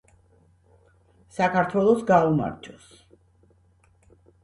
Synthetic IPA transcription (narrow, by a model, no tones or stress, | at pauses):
sakʰaɾt̪ʰwɛlˠɔsɡauma̰ɾd͡ʒɔs